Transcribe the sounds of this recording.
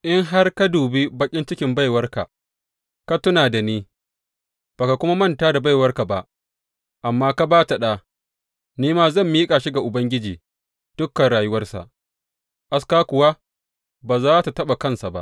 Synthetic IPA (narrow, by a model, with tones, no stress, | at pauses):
ʔɪ˦ŋɦa˦rka˦duː˨bi˦bɐ˦kʲʼɪ˦nt͡ʃɪ˦kʲɪ˨mba˦˨jwɐ˦rka̰˨ | ka˦tʊ˦naː˨da˨niː˦ | b̥a˨ka˨kʷʊ˦ma˦mɐ˦˨ntaː˦da˨ba˦jwɐ˦rka˨ba˨ʔ | ʔa˨mːaː˦ka˦baː˦ta˨ɗaː˦ | niː˦maː˦zɐ˦˨mːiː˦kʼa˨ʃi˦ɡa˨ʔʊ˨bɐ˦ŋɡʲɪ˦d͡ʒiː˨ | d̥ʊ˦kːɐ˨nɽaː˨jʊ˦wɐ˦rsa̰˨ʔ | ʔa˦skaː˦kʷʊ˨wa˦ | baː˨zaː˦ta˨tɐ˦ɓa˨kɐ˦nsa˨ba̰˦ʔ